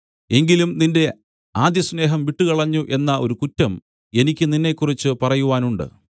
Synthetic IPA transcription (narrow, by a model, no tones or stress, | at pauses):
e̞ŋɡilumninde̞ | aːd̪jɐsne̞ːɦɐmʋiʈːukɐɭɐɲːuʔe̞nːɐʔo̞ɾukutːɐm | e̞nikʲːɨninːe̞ːkːurit͡ɕːɨpɐrɐjuʋaːnuɳɖɨ̰